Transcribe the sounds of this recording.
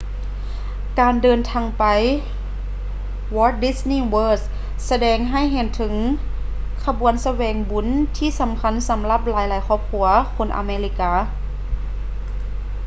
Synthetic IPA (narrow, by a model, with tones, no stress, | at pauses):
kaː˨ndɤː˨˧nt̪ʰaː˧ŋpa˨j | wɔː˧˥t̪̚di˧sniː˥˨wɤː˧˥s | sa˧dɛː˨˩ŋɦa˧˥˩jɦe˧˩nt̪ʰɯ˨˦ŋ | kʰa˧bu˨˩˦ənsa˧wɛː˨˩ŋbu˨˧˦nt̪ʰiː˧˨sa˨˦mkʰa˧˥˨nsa˨˦mla˧˥˩p̚laː˨˦jlaː˨˦jkʰɔː˧˩p̚kʰu˧˦ɐkʰo˧˥˨nʔa̰˧me˧li˧kaː˧˩